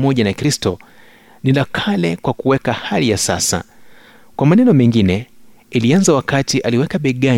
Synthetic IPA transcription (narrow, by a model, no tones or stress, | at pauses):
mɔʄanakɾistɔ | nilakʰalɛkwakuwɛkahalijasa̰sa̰ | kwamanɛnɔmɛŋɡinɛ | ilianzawakatiʔaliwɛkaɓɛɠa